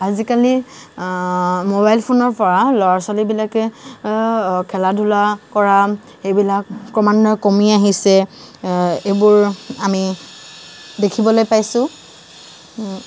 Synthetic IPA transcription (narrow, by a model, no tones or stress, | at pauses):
azikali | mobajlpʰonɔɹpɔɹalɔɹasalibilakɛ | kʰɛladʱulakɔɹa | xejbilakpɹɔmandɔkomiaɦisɛ | ebʊɹami | dekʰibɔlojpajsʊ̃